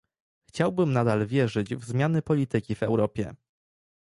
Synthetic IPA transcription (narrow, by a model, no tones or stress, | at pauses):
xt͡ɕawbɘmnad̪alvʲjɛʐɘd͡ʑvzmʲjanɘpɔlʲit̪ɘkʲivɛwɾɔpʲjɛ̰